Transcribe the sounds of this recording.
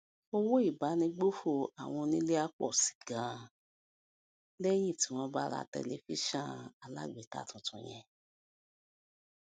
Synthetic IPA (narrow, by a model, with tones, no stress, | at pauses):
o˧wo˦i˦˨ba˨˦nĩ˧˦ɡ͡bo˦fo˦˨a˨w̃ɔ̃˧nĩ˦le˦a˦k͡pɔ̰˦˨si̥˨ɡã˨˦˨ | le˦jĩ˦˨ti˨˦w̃ɔ̃˧˦ba˦˧ɾa̰˦˧˨tɛ̰˧le˧˦fi˦ʃã˦˨a˨la̰˦˨ɡ͡be˨ta̰˦˨tɔ̃˨tʰɔ̃˧j̃ɛ̃˧